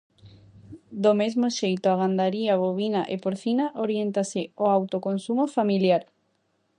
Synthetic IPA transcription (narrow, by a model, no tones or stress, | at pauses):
d̪omezmoʃejt̪oaɣ̞and̪aɾiaβoβinaʔepoɾθinaʔoɾjent̪asɪoawt̪okonsumofamiljaɾ